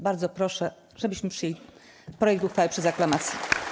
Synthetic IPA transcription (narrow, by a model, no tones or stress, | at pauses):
baɾd̪zɔpɾɔʂɛ | ʐɛbɘɕmɘpʂɘjelʲi | pɾɔjɛkt̪uxfawɘpʂɛzaklamat̪sʲji